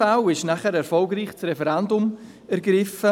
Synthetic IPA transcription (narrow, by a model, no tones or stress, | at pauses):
awɪʃnaχəɾɛɾfɔlɡriːχt͡srɛfɛɾɛndʊm | ɛɾɡɾɪfə